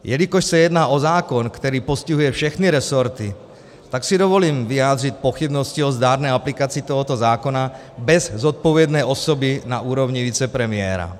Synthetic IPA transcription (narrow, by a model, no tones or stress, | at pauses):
jɛlikɔʃsajɛd̪naːʔɔzaːkɔnkt̪ɛɾiːpɔsciɦujɛfʃɛxniɾɛsɔɾt̪i | t̪aksid̪ɔʋɔliːmviaːd̪ric̪̚pɔxibnɔsciɔzd̪aːɾnɛjaplikat͡siːt̪ɔɦɔt̪ɔzaːkɔna | bɛzzɔt̪̚pɔʋɪɛd̪nɛjɔsɔbinaʔuːɾɔvɲiʋit͡sɛpɾɛmɪɛːɾa̰